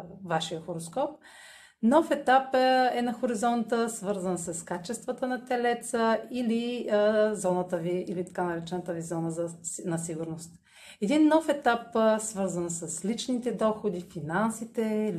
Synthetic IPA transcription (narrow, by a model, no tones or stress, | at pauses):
vaʃijəxoɾoskɔp̚ | nɔfɛt̪apɛnɐxoɾizɔnt̪əsvɤɾzənsɐskat͡ʃɛst̪vət̪ənɐt̪ɛlɛt̪səili | zɔnət̪əviːlit̪ɐkanɐɾɛt͡ʃɛnət̪əvizɔnəzənɐsiɡuɾnost̪ | ɛd̪inːɔfɛt̪apsvɤɾzənsəslit͡ʃnit̪ɛd̪ɔxod̪ifinansit̪ɛl